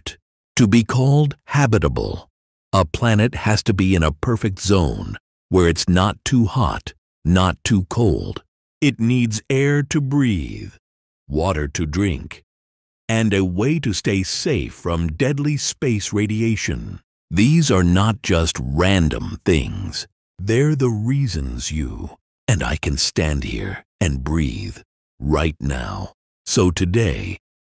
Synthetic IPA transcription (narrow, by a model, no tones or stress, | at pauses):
t | tʰɨbikʰɔlˠd̚hæbɨɾəbə̰l̩ˠ | əpʰl̥ænɨt̚hɨz̥tɨbiɨ̃ñəpʰɜ˞fɨk̚tz̥õʊ̃n | wə˞ɨtsnətʰuhɑ̰t | nətʰukʰoʊlˠd̥ | ɨtⁿnidzɛɹɾɨbɹið̥ | wɔɾə̰˞ɾɨdɹɪ̰̃ŋk | ɨ̃nɨweɪɾɨsteɪseɪfɹʌ̃mdɛdˡlispeɪsɹeɪɾieɪʃɨ̰̃n | ðizə˞nət̚d̥ʒ̥ʌst̚ɹæ̃ndɨ̰̃mθɪ̰̃ŋz̥ | ðə˞ðəɹizɨ̃nzjṵ | ɨ̃na̰ɪkʰɨ̃nstæ̃nd̚hḭɹɨ̃nbɹḭð̥ | ɹa̰ɪtⁿna̰ʊ | soʊtʰɨdeɪ